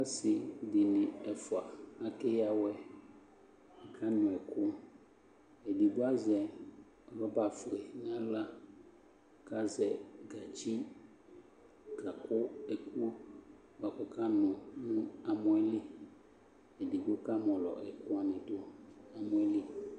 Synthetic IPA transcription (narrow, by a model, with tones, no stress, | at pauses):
a˦sɪ˨dɪ˨nɪ̃˨ɛ˨fʊ˨a˨a˨kɪ˦ja˨wɛ˦˨ | kʰa˦nʊ̃˨ɛ˨kʊ˦ | ɛ˨di˨dʊ˦a˦zɛ˨ | ɔ˨lɔ˦ba˨fɾe˨n˦ã˦la˦ | ka˦zɛ˨ɡa˨t͡ʃi˦ | ɡa˨kʊ˦ɛ˨ku˦ | ba˨kɔ˨kʰa˦nʊ̃˨nũ˦a˨mʊ̃˦ɛ˦li˦ | ɛ˨di˨ɡ͡bo˦ka˦mɔ̃˨lɔ̰˨ʔɛ̰˨kʊ˦a˦nɪ̃˨dʊ˦a˨mʊ̃˦ɛ˦li˦